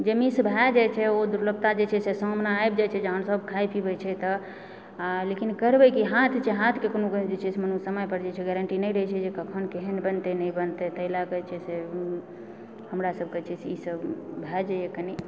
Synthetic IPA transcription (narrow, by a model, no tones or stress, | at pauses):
d͡ʒemisbʱɛd͡ʒajt͡ʃʰɛod̪uɾləɡ̚t̪ad͡ʒet͡ʃʰɛsesɔ̃mnaaebd͡ʒajt͡ʃʰɛd͡ʒeɦənsəbkʰajpʰibət͡ʃʰɛt̪ə | lekinkəɾbekiɦat̪ʰt͡ʃʰɛɦat̪ʰkekonokd͡ʒet͡ʃʰɛsmənusəməjpəɾd͡ʒat͡ʃʰɛɡɛɾəɳʈinəjɾəɦɛt͡ʃʰɛd͡ʒekəkʰənkeɦənbənt̪enəjbənt̪et̪əɦilakət͡ʃʰɛse | həmɾasəb̚kət͡ʃʰɛseisəbbʱɛd͡ʒajekəni